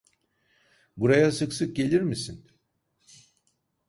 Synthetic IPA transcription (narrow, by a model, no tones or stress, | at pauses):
buɾajasɯksɯk̚ɟe̞lʲiɾmisin